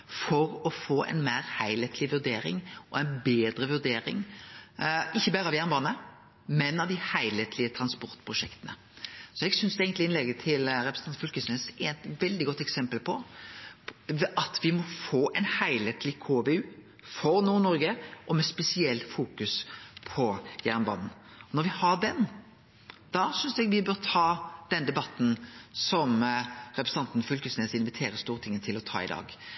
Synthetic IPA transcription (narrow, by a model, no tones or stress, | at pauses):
fɔɾɔfoːʔɛ̰ɪnmæːɾhæɪleːt̪ʰlɪʋʉʁd̪eːɾɪ̰ŋʔɔæɪnbeːd̪ɾəʋʉʁd̪eːɾɪ̰ŋ | ɪçːəbæːɾəɑʋjæʁnbɑːnə | mɛnɑʋd̪ɪhæɪleːt̪ʰlɪət̪ʰɾɑnspɔʁt̪pʰʁʊʃɛkt̪ənə̰ | sɔɛɡsʏnsd̪ɛeːɡənt̪lɪɪnlɛɡət̪ʰɪlɾɛpɾən̩ɑnfʏlkəsnɛsɛnt̪ʋɛld̪ɪɡɔt̪ːɛksɛmpəlpʰɔ | ʔɑt̪ʰʋɪmɔfoːʔɛnhæɪlheːt̪lɪkʰoːbeʉː | fɔɾnuːɾnɔɾɡəʔɔmɛspɛsɪɛlfuːkʉspʰɔjæʁnbɑ̰nn̩ | ɔnɔɾʋɪhɑɾd̪ɛn | d̪̥ɑsʏnsd̪ɛɡʋɪbøːʁt̪ʰɑːd̪̥ɛnd̪ɛbɑt̪n̩sɔmɾɛpɾsn̩ɑnt̪nfʉlkəsneːsɪnʋɪt̪ʰeːɾəst̪uːʁt̪ɪŋət̪ʰɪlɔt̪ʰɑ̰ːɪ̰d̪ɑ̰ːɡ